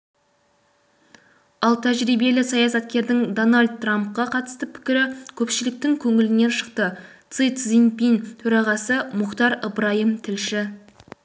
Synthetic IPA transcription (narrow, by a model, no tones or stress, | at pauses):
ɑlˠt̪ʰæʒɾijbe̞lɪsɑjɑsɑt̪kʲe̞ɾd̪ɪŋd̪onalʲd̪̚ːramp̚qɑqʰɑt̪ə̥st̪əpʰɪ̥kʲɪɾɪkʲʰɵpʃɪlɪk̚t̪ɪŋkʲʰɵŋɪlɪne̞nʃə̥q̚t̪ət̪sɨjt̪zinpint̪ʰɵɾɑʁɑsəmʊqt̪ɑɾəbɾɑjəmt̪ʰɪlʃɪ